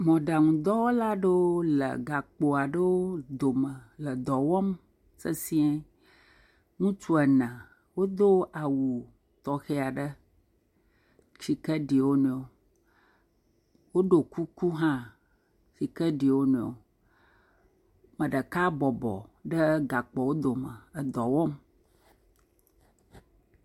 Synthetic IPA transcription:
mɔ̃˨ɖa˨ŋũ˨d̪ɔ˦wo˦la˦ɖə˦wo˦lə̰˨ɡa˨k͡po˨a˨ɖə˦wo˦d̪o˨mə˨lə˨d̪ɔ˨wɔ˦m | sə˦si˦ɛ˦ | ŋũ˦t͡ʃu˦ə˨nə̃˨ | wo˦d̪o˦ʔa˨wu˨ | t̪ɔ˨xe˦a˨ɖə˦ | t͡ʃi˨kə˦ɖi˨wo˦nẽ˨o˨ | wo˦ɖo˨ku˦ku˦ɦã˦ | fi˨kə˦ɖi˨wo˦nẽ˨o̰˨ | mə̃˨ɖə˨ka˦bɔ˨bɔ̰˨ɖə˦ɡa˨k͡pɔ˨wo˦d̪o˨mə˨ə˨d̪ɔ˨wɔ˦m

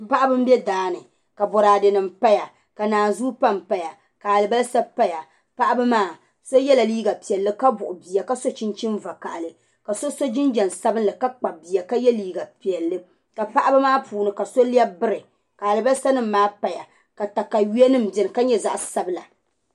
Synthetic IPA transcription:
pa˦ʔa˦bɨ˦m̩˦bjɛ˦daː˦nɨ˨ | ka˨bɔ˨ɾaː˨dɨ˨nɨ˨mpa˦ja˨ | ka˨naː˨n˨zuː˦pa˦˨mpa˨ja˨ | ka˨a˨lɨ˨ba˦lsa˦pa˦ja˨ | pa˦ʔa˦ba˦maː˦˨ | so˦jɛ˦la˨liː˦ɡa˨pi˨ɛ˨lːɨ˦ka˦bʊ˨ʔʊ˨bi˨a˨ka˦so˦t͡ʃɪ˦nt͡ʃɪ˦nva˨ka̰˨ʔa˨lɨ˨ | ka˨so˦so˦d͡ʒɪ˦nd͡ʒɛ˨n˨sa˦bɨ˦nlɨ˨ka˦k͡pa˨bi˨ja˨ka˦jɛ˦liː˦ɡa˨pi˨ɛ˨lːɨ˦ | ka˨pa˦ʔa˦ba˦maː˦puː˨nɨ˨ka˨so˦li˦ɛ˦bɨ˦ɾɨ˨ | ka˨a˨lɨ˨ba˦lsa˦nɨ˦m̩ː˦aː˦pa˨ja˨ | ka˨ta˨kːa˨ji˦ɛ˦nɨ˦m̩˨bjɛ˨nɨ˨ka˦ɲɛ˦za̰˦ʔa˨sa˦bɨ˦la˨

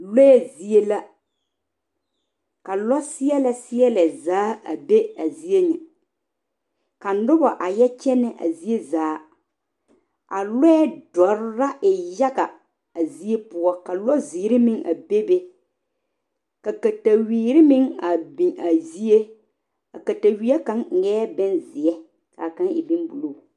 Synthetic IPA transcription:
lɔ˦ɛ˦zi˦e˦la˦ | ka˨lɔ˦sɪ˦ɛ˦lɛ˨sɪ˦ɛ˦lɛ˨zaː˨˦a̰˨be˦a˨zi˦e˦nɪ˨ | ka˨˦dʊ˦bɔ˨ʔa˨jɛ˦t͡ʃɛ˦nɛ˦ʔa̰˨zi˦e˦zaː˨˦ | a˨lɔ˦ɛ˦dɔ˨ɾɪ˦ɾa˦ʔɪ˨ja˦ɡa˨ | a˨zi˦e˦pʊ˦ɔ˦ka˨lɔ˦ziː˨˦ɾɪ˦mɪ˦ŋa̰˨be˦be˦ | ka˨ka˨ta˨wiː˨˦ɾɪ˦mɪ˦ŋa˨bi˨a˨zi˦e˦ | a˨ka˨ta˨wi˦a˦ka˦ŋ˨ŋɛː˦bɛ˦nzɪ˨ɛ˦ | ka̰˨ka˦ŋɪ̰˨bi˦nbu˨lo˦˨

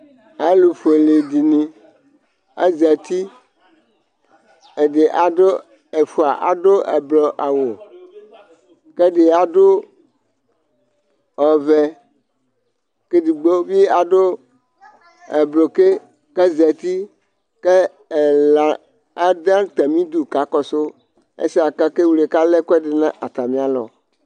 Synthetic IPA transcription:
a˦lu˨fo˨le˨di˨nĩ˨ | ḛ˦zɛ˨t̪i˦ | e˨ɖe˨ʔa˨do˦ | e˨fu˦˨a˨ʔa˨do˦ʔḛ˨blɔ˨ʔa˨wo˨ | ke˦ɖe˨a˨do˦ | ɔ˨vɛ˨ | ke˦di˨ɡ͡bo˦bi˦a˨do˦ | e˨blo˨ke˦ | ke˦zɛ˨t̪i˦ | ke˦˨ | la˨ | a˦d̪ã˦t̪e˨mĩ˦d̪u˨ka˨kɔ˨so˦ | ḛ˦si˦a˨ka˦ke˦wu˨le˨ka˦lɛ˦kɛ˦de˨nã˦ʔa˨t̪a˨mĩ˦a˨lɔ̰˨

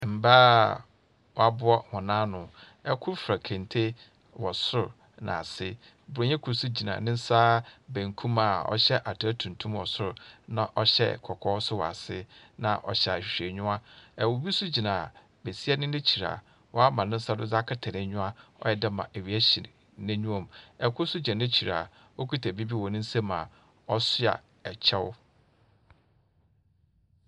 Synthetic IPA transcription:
m̩˨ba˦ | wɔ˨a˨bʊ˦ɔ˦hɔ̃˨nãː˦nʊ̃˨ | ɛ˦kʰʊ˦ɾfɾa˨kʰɛ̃˨n˨tʰe˦ | wɔ˨sʊ˦ɾʊ˨ | nã̰˨a˨sɪ˦ | bʊ˨ɾo˨ɲɛ̃˦kʰu˨ɾsu˦d͡ʑi˨nã̰˨nɪ̃˦n̩˦sa˦bæ̃˨ŋ˨kʰũ˦ma˨ɔ̰˦ɕɛ˦ʔa˨tʰæ˦tʰũ˨n˨tʰũ˦mwɔ˨sʊ˦ɾʊ˨nã˦˨ʔɔ˦ɕɛ̰˦kʰɔ˨kʰɔ˦sʊ˦wɔ̰˨a̰˨sɪ̰˦nã̰˨ʔɔ̰˨ɕɛ˨a˨ɕᶣe˨ɲʊ̃˦a˦ɛ˨wo˨bi˦sʊ˦d͡ʑi˨nã˨ | be˨si˦ɛ˦nɪ̃˦nɪ̃˦t͡ɕʰi˨ɾa̰˨ | wɔ˦a˦mã˨nʊ̃˦sa˦dʊ˦za˦kʰɪ˦tʰa˨nɪ̃˨ɲʊ̃˦a˦ɔ̰˦jɛ˦dɪ˦mã̰˨ʔæ˨ɥi˨æ˦ɕi˨ | nɪ̃˦ɲũ˦ɔ̃˨mɛ˨kʰʊ˦sʊ˦d͡ʑɛ̃˨nɪ̃˦t͡ɕʰi˨ɾa̰˨ | o˦kʰi˦tʰæ˨bi˦bi˦wɔ˨nɪ̃˦n̩˦sɛ˦mã˨ | ɔ˦sʊ˦a̰˨ | ɛ˨t͡ɕʰɛ˦w

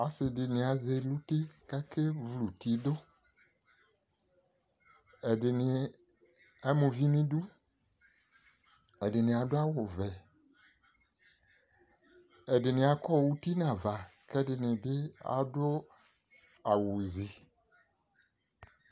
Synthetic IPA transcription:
a˨˦sɪ˨dɪ˨nɪ̃˨a˨ze˨lu˦te˦ka˦kɪ˦vlu˨ti˦dʊ˦ | ɛ˨dɪ˨nɪ˨ | a˨˦mʊ̃˨vi˦nĩ˦du˦ | ɛ˨dɪ˨nɪ̃˨a˨dʊ˦a˦wʊ˨vɛ˨ | ɛ˨dɪ˨nɪ̃˨a˨kɔ˦˨wu˦ti˦nã˨va˨kɛ˦dɪ˨nɪ̃˨dɪ˦a̰˦dʊ˦ | a˨wʊ˨zi˨

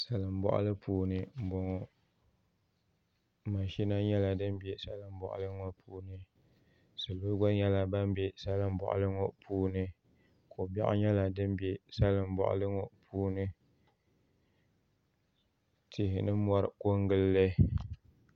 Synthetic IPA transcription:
sa˨lɨ˨m̩˦bɔ̰˦ʔʊ̰˦lɨ˦pʰuː˦nɨ˨m̩˨bɔ˨ŋ˨ | ma˨ʃi˦na˦ɲɛ˦la˨dɨ˦m˦be˦sa˦lɨ˨m˦bɔ̰˨ʔʊ̰˨lɨ˦ŋo˦pʰuː˦nɨ˨ | sɨ˨lo˦ɡɔ˦ɲɛ˦la˨ba˦m˦be˦sa˦lɨ˦m̩˦bɔ̰˨ʔʊ̰˨lɨ˦ŋo˦pʰuː˦nɨ˦ | ko˨bɛ̰˦ʔɲɛ˦la˨dɨ˦mbe˦sa˦lɨ˨m˦bɔ̰˨ʔʊ̰˨lɨ˦ŋo˦pʰuː˦nɨ˦ | tʰɪ˨hɪ˨nɨ˦mɔ˦ɾɨ˨ko˦ŋɡɨ˦lːɨ˦

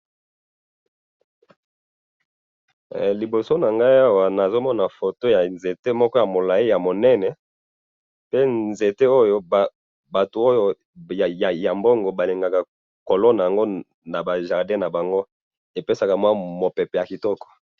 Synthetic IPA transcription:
li˨bo˨so˦na˨ŋɡa˦i˦a˦wa˨na˨zo˦mɔ˦na˨fo˨to˦ja˨nze˨te˦mɔ˦kɔ˦ja˨mo˨la˨i˦ja˨mo˨nɛ˦nɛ˨ | pe˦nze˨te˦o˦jo˦b | ba˨to˨o˦jo˦˨ | ja˨ja˨mbo˦ŋɡo˨ba˨li˨ŋɡa˨ka˨ | ko˨lɔ˦na˨ja˨ŋɡo˦ | na˨ba˨ʒa˨ʁdɛ̃˦na˨ba˨ŋɡo˦ | e˨pe˦sa˨ka˨mwa˦mo˨pɛ˨pɛ˨ja˨ki˨tɔ˦kɔ̥˨

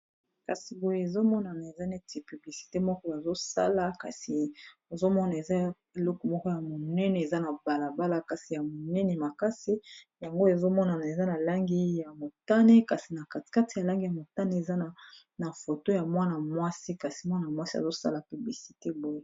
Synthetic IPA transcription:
ka˨si˨bo˨je˦e˨zo˦mɔ˦na˨na˨e˨za˦ne˦ti˨py˨bli˨si̥˨te˦mɔ˦kɔ˦a˨zo˦sa̰˦la˨ka̰˨si˨o˨zo˦mɔ˦na˨e˨za˦ | e˨lɔ˦kɔ˨mɔ˦kɔ˦ja˨mo˨nɛ˦nɛ˨e˨za˦na˨ba˨la˨ba˦la˦ka˨si˨ja˨mo˨nɛ˦ne˨ma˨ka˦si˦ | ja˨ŋɡo˦e˨zo˦mɔ˦na˨na˨e˨za˦na˨la˦ŋɡi˦ja˨mo˨ta˦ne˦ka˨si˨na˨ka˨tka˦ti˨ja˨la˦ŋɡi˦ja˨mo˨ta˦ne˦e˨za˦na˨ | na˨fo˨to˦ja˨mwa˦na˨mwa˦si˦ka˨si˨mwa˦na˨mwa˦si˦a̰˨zo˦sa̰˦la˨py˨bli˨si̥˨te˦bo˨je˦

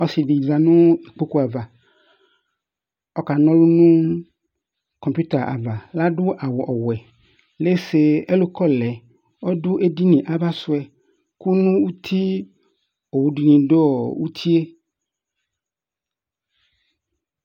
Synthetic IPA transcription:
ɔ˦si˨di˨za˨nʊ̃˦i˨k͡po˦ku˦a˨va˨ | ɔ˦ka˨nɔ̃˦lu˦nũ˦ | kɔ˨mpju˦t̪a˨ʔa̰˨va˨la˦dʊ˦ʔa˨wɔ˨ʔɔ˨wɛ˨ | le˦se˨e˦lo˦kɔ˦lɛ˨ | ɔ˦dʊ˦ʔe˦di˦nĩ˨ʔa˦ba˦sʊ˨˦ɛ˨ | ku˦nũ˦u˦t̪ʰi˦ | o˨wu˨di˨nĩ˨do˦ɔ˨wu˦t̪ʰi˦e˦

